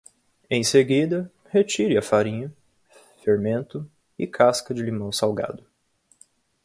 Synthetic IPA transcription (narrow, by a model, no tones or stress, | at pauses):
ẽj̃seɡid̪ɐ | het͡ʃiɾɪɐfaɾĩɲɐ | feɾmẽnt̪ʊ | ɪkʰaskɐd͡ʒɪlimɐ̃w̃sawɡa̰d̪ʊ